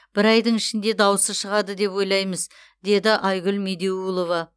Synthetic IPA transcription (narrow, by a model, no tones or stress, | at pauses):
b̥ɪɾɑjd̪əɴɪʃɪnd̪e̞d̪ɑwəsəʃəʁɑd̪əd̪e̞pwo̞jlˠɑjməz | d̪e̞d̪ɪʔɑjɡʲʊlme̞d̪e̞ulˠo̞vɑ